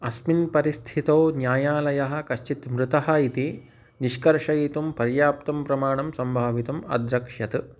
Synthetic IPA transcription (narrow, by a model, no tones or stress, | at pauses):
ɐsminpɐɾist̪ʰit̪ɐwnjaːjaːlɐjɐɦɐ̆kɐʃt͡ʃit̪mɾut̪ɐɦɐit̪i | niʃkɐɾʃɐjit̪umpɐɾjaːp̚t̪ɐmpɾɐmaːɳɐmsɐmbʱaːʋit̪ɐmɐ̰d̪ɾɐkʂɐt̪